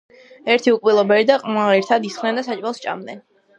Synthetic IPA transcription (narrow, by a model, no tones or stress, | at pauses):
ɛɾt̪ʰiukʼvilˠɔbɛɾid̪aqʼmaʁɛɾt̪ʰad̪isχnɛnd̪asat͡ʃʼwalˠst͡ʃʼa̰md̪nɛn